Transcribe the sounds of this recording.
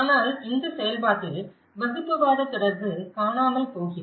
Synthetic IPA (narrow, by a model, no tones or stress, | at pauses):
aːnaːlɪnd̪ɐsɛjɐlpaːʈːɪl | ʋɐsɯpːɯʋaːɽɐt̪ːɪɽɐɾðɯkaːnaːmɐlpoːɣɪrɐ